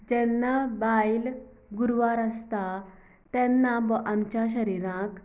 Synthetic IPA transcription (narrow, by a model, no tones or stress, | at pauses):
d͡ʑɛnːabajl | ɡuɾʋaɾəst̪a | t̪ɛnːabʔamt͡ɕaɕ̬əɾiɾãk